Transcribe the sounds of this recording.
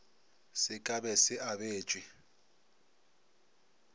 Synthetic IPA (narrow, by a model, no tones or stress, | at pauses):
sɪkʼaɓɛsɪʔaɓe̥ːt͡ʃʼwi